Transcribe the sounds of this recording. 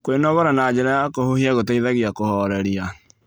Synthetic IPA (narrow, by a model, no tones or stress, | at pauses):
kwenɔɣɔɾanad͡ʑɛɾakohohiaɣotaiðaɣiakohɔɾɛɾia